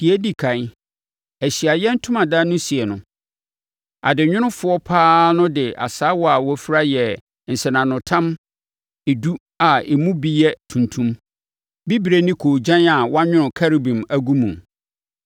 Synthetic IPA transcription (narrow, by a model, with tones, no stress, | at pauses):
d̥i˨æ˦di˦kʰã˨n˦ | æ˨ɕi˨a˨jɛ̃˦n̩˦tʰʊ̃˦mã˨da˦nʊ̃˦si˨ɛ˨nʊ̃˨ | a̰˨dɪ˨ɲᶣʊ̃˦ñʊ̃˦fʊ˦ɔ˦pʰaː˦nʊ̃˦dɪ˨ʔa̰˨saː˦wɔ˦a˨wɔ˦fi˦ɾa˦jɛ˨ | n̩˨sɪ˨nã˨nʊ̃˨tʰã˦m | e˨du˦ | a˨e˨mũ˦bi˨jɛ˦tʰũ˨ntʰũ˦m | bi˦bi˨ɾe˦nĩ˦kʰoː˨d͡ʑã˦na˨wɔ˦a˦ɲᶣʊ̃˦nʊ̃˨kʰa˦ɾi˨bĩ˨mæ˨ɡũ˦mũ˨m